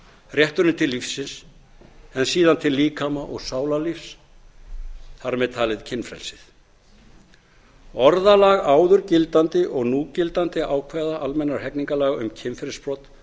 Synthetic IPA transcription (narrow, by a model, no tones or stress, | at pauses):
rjɛht̪ʏɾnɪt̪ʰɪlːifsːɪns | ɛnsiːðant̪ʰɪlːiːkʰamaʔɔɣsaːwlalifs | θaɾmɛðt̪ʰaːlɪðcʰɪnfɾɛ̰lsɪ̥θ | ɔɾðalaɣaːwðʏɾcɪlt̪ant̪ɪʔɔɣnuːcɪlt̪ant̪ɪʔaːwkʰvɛðaʔalmɛnːaɾ̥hɛkniŋkalaɣʏmcʰɪnfɾɪlspɾɔt̪